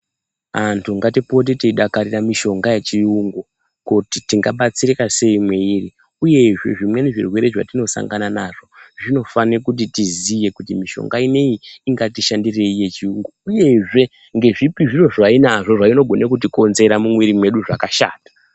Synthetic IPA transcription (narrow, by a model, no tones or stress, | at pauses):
antʰuŋɡatipo̞t̬iteiɗakaɾiramiʃo̞ŋɡaje̞t͡ʃiuŋɡo | kutitiŋɡaɓat͡sirirase̞imweiri | uje̞ʐe̞̰ʐimwe̞niʐḭrwe̞ɾe̞ʐa̰tino̞sa̰ŋɡananaʐo̞ʐino̞fanekut̬itizije̞kutimiʃo̰ŋɡaine̞iːŋɡatiʃandire̞ije̞t͡ʃiuŋɡouje̞ʐe̞ | ŋɡe̞ʐipiʐiro̞ʐainaʐo̞ʐaino̞ɡʱo̞nekutiko̞nze̞ɾamumwiɾimwe̞ɗuʐakaʃa̰ːtḁ